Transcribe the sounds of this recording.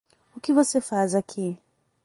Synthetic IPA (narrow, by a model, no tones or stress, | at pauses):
ʊkɪvosefazakʰi